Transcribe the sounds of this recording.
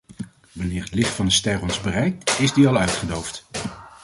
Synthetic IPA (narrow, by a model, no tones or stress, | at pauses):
ʋɑnɪːɹɦətlɪχtfɑndəstɛrɔnzbərɛjk̚tɪzdiɑlˠœɥtχədowft